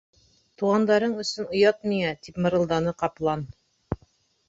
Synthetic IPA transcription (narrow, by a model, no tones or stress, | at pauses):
t̪uʁɑnd̪ɑɾɤɴɵ̆sɵnŏjɑt̪̚miæt̪ipmɤ̆ɾɤ̆lˠd̪ɑnɤqɑplˠɑn